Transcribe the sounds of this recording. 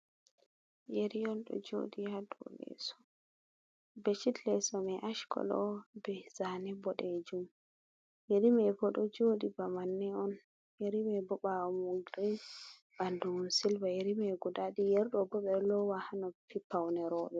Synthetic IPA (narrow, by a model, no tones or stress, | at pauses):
jeɾijɔnɗɔ̰d͡ʒo̰ːdijadṵlɛ̰sɔ̥ | bɛt͡ʃidlɛsɔmɛʔaʃkʰɔ̰lɔ̰bɛzaːnɛbɔɗɛd͡ʒum | jeɾimɛbɔɗɔd͡ʒoːdibamanːɛɔn | jeɾimɛbɔɓawɔmuɡɾi | bandusilbajeɾimɛɡudaɗijɛɾɗɔbɔɓɛlɔwahanɔpipːawnɛɾɔːɓɛ